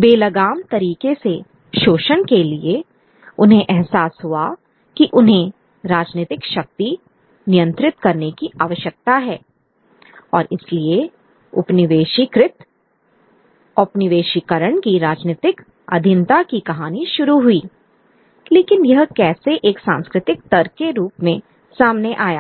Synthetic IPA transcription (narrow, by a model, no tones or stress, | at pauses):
beːlɐɡaːmt̪ɐɾiːkese | ʃoːʃənkelie | ʊnɦẽʔɛɦsaːsɦua | kiʔʊnɦẽ | ɾaːd͡ʒneːt̪ɪkʃɐk̚t̪i | nɪjə̃nt̪ɾɪt̪kɐɾnekiʔaːʋəʃjək̚t̪aɦɛː | ɔːɾɪslie | ʊ̰pnɪʋeːʃikɾɪt̪ | ʊpnɪʋeːʃikəɾəɳ̃kiɾaːd͡ʒneːt̪ɪk | ɐ̰d̪ʱɪnt̪akikɐɦaːniʃʊɾuɦuiː | leːkɪnjɐɦkɛːseʔeːksã̰ːnskɾɪt̪ɪk̚t̪ɐɾt͡ʃeɾuːpmẽ | saːmneʔaːja̰ː